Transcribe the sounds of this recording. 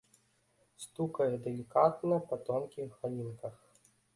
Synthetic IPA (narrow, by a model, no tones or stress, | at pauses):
st̪ukɐjɛd̪ɛlʲikat̪nɐpat̪ɔmkʲiɣalʲinkɐx